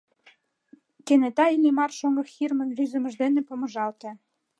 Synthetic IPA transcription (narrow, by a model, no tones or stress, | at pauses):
kenet̪ɑilimɑrʃoŋɤ̆xirmə̆nvyzə̆mə̆ʒd̪enĕpə̆mə̆ʒɑlt̪ĕ